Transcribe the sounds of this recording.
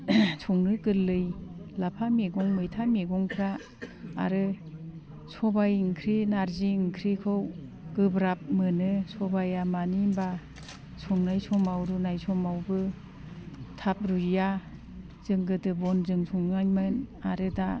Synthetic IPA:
sʰɔŋnɯɡɯlɯjlapʰameɡɔŋmɯjtʰameɡɔŋkʰɾa̰ː | ɾɯ | sʰɔbajŋkʰɾenaɾziŋkʰɾekʰɯw | ɡ̥ɯbɾap̚mɯnɯsʰɔbajamanimba | sʰɔŋnajsʰɔmawɾunajsʰɔmawbɯ | tʰap̚ɾuja | z̥ɯŋɡɯtɯbɔnzɯŋsʰɔŋnajmɯnaɾɯda

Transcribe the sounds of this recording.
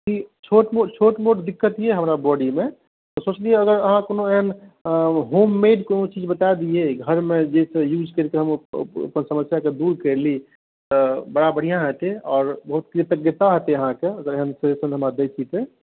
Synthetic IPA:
kit͡ʃʰoʈmot͡ʃʰoʈmoʈd̪ikːət̪ijeɦəmɾabɔɖime | t̪ɔsot͡ʃlieəɡəɾəɦãkoːnoeɦən | ɦomːeɖkonot͡ʃid͡ʒbət̪aed̪ieɡʱəɾmed͡ʒesẽjud͡ʒkəɾkeɦəm̰o̰pənsəməsjaked̪uɾkəɾli | t̪ɔbəɽabəɽ̤ijãɦət̪eɔːɾbəɦut̪̚kɾit̪əɡjət̪aɦət̪eəɦãkeəɡəɾeɦənsəesənɦəmad̪et͡ʃʰit̪e

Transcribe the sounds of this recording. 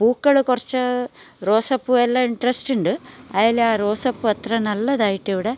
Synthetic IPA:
b̥uːkːɐɭɨkurɐt͡ɕːɨ | ro̞ːsɐpːuelːɐiɳɖrɐsʈuɳɖɨɐjaːleaːro̞ːsɐpːuɐt̪rɐnɐlːɐðaːjiʈːeʋiɽe

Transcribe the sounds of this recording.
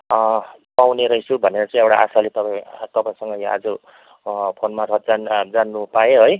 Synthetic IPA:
pawneɾʌisubʱʌneɾʌt͡sʌ̃ĩewʈaʔasalet̪ʌpat̪ʌpaj̃sʌŋɡʌja̰d͡zʌ | pʰonmaɾʰʱʌt̪̚d͡zd͡zanːupaoɦoj

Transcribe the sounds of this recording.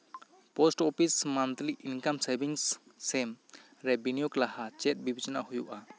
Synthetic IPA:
pɔsʈɔpʰismant̪liʔinkamsajbiŋsːɛm | ɾebinijuklahat͡ʃɛt̚bibʱid͡ʒɔna̰hujuʔa

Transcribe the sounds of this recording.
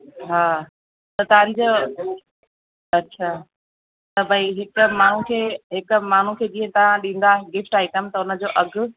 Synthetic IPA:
ɦaː | t̪ɐt̪aːɾid͡ʑo | ɐtːɕʰaː | t̪ɐbʱɐiɦɪkʊ̆maːɳ̤ukʰeːɦɪkʊ̆maːn̤ukʰeːd͡ʑĩːə̃t̪ɐʋãɗĩːn̆d̪aɡɪfʈaːiʈɐmt̪ɐʊnə̆d͡ʑoːʔɐɡʱʊ̆

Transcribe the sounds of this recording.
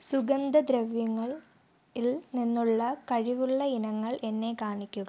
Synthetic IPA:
suɡɐnd̪ɐd̪ɾɐʋjɐŋːɐɭ | ilninːuɭːɐkɐɻiʋuɭːɐinɐŋːɐɭʔe̞nːe̞kaːɳikʲːuɣɐ

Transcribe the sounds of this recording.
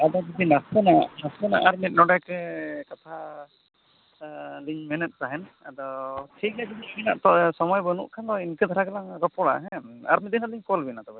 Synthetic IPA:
ad̪ɔbid̪inasɛnanaspɛnaʔaɾmit̪̚ˀnɔɖakɛkat̪ʰa | liɲmɛnɛt̪̚ˀt̪aɦɛnad̪ɔʈʰikabid̪ibina̰ʔt̪ɔsɔmɔjbɔnṵʔkʰand̪ɔinkɛd̪ʱaɾakalaŋɾɔpɔɽa̰ʔɦɛ̃a̰ɾmid̪inaliɲkɔlbinat̪ɔbɛ

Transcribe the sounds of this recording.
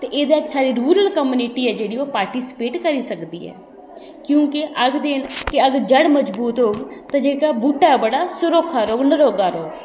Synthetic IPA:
t̪eːʔeːd̪eːəd͡ʒsaːɾiːɾuːɾəlkəmuniːʈiːɛːd͡ʒeːɽiːoːpaːɾʈiːsɪ̥peːʈkəɾiːsəkd̪ḭːɦɛ̰ː | kjõːkɪʔəɡd̪eːnkɪəɡəɾd͡ʒəɽməd͡ʒbuːt̪ɦoːɡt̪ãːd͡ʒeːkaːbuːʈaːbəɽaːsʊɾoːkʰaːɾoːɡnəɾoːɡaːɾoːɡ

